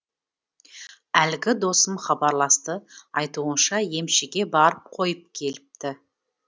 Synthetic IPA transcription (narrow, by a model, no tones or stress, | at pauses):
ælɡʲɪd̪o̞səmχɑbɑɾlˠɑst̪əɑjt̪uənʃɑje̞mʃɪɡʲe̞bɑɾəp̚qʰo̞jəp̚kʲʰe̞lɪp̚t̪ɪ